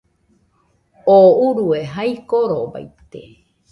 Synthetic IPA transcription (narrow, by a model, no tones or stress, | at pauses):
ouɾueɦajkoɾoba̰jt̪e